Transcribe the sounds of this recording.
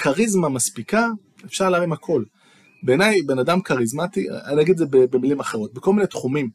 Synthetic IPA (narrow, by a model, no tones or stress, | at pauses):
kʰaʁizmamaspika | efʃaʁlaːʁimhakʰo̞l | beːnajbe̞nadamkaʁizmat̪ḭaninaɡid̪zebebemilimaχe̞ʁo̞t̪̚beko̞lminet̪χumim